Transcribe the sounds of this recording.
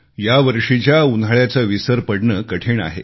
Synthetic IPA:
jaʋəɾʂit͡ɕjaunʱaɭjat͡səʋisəɾpəɽɳəkəʈʰeɳa̰ɦḛ

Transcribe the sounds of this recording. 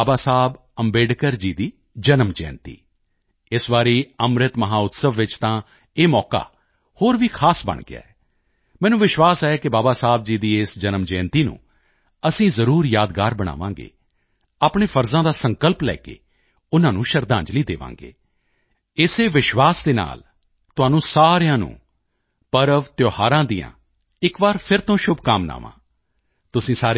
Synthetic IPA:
aːbaːsaːb | əmbeːɖkəɾd͡ʒiːd̪iː | d͡ʒənəmd͡ʒɛ̰̃ːnt̪ḭː | ɪsʋaːɾiːəmɾɪt̪məɦaːʊt̪səʋːɪt͡ʃt̪ãː | eːmɔːka̰ː | hoːɾʋiːkʰaːsbə̰ɳɡɪ̰a̰ːɛː | mɛ̃ːnũːʋɪʃwaːsaːɛːkɪbaːbaːsaːb̚d͡ʒiːd̪iːeːsd͡ʒənəmd͡ʒɛ̃ːnt̪iːnṵ̃ː | əsĩːzəɾuːɾjaːd̪ɡaːɾbəɽ̃a̰ːʋãːŋɡḛː | aːpɳeːfʰəɾzãːd̪aːsə̃ŋkəlplɛ̰ːkḛː | ʊnãːnũːʃəɾd̪ãːɲd͡ʒliːd̪ḛːʋã̰ːŋɡḛː | ɪseːʋɪʃʋaːsd̪eːna̰ːl | t̪ʊɦaːnũːsaːɾejãːnṵ̃ː | pəɾəʋt̪joːhaːɾãːd̪iːã̰ː | ɪkʋaːɾpʰɪɾt̪õːʃʊbkaːmna̰ːʋã̰ː | t̪ʊsĩːsaːɾe

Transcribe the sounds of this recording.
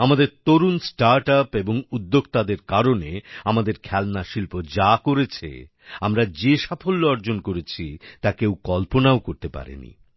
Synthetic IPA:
amad̪eɾt̪oɾunsʈaɾʈapeboŋud̪ːoɡt̪ad̪eɾkaɾoneamad̪eɾkʰɛlnaʃilpod͡ʑakoɾet͡ɕʰḛ | amɾad͡ʑeʃafolːoɔɾd͡ʑonkoɾet͡ɕʰit̪akewkɔlponaokoɾt̪epa̰ɾḛnḭ

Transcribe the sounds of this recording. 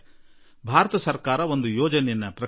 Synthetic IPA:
bʱaːɾɐt̪ɐsɐɾkaːɾɐo̞nd̪ujoːd͡ʒɐnɛjnɐpɾɐ

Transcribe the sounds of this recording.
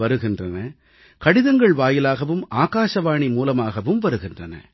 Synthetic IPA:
ɐɾɯɣɪndrɐnɐ | kɐɽɪðɐŋɡɐɭʋaːjɪlaːɣɐʋɯmaːɣaːʂɐʋaːɳimuːlɐmaːɣɐʋɯmʋɐɾɯɣɪndrɐnɐ̰

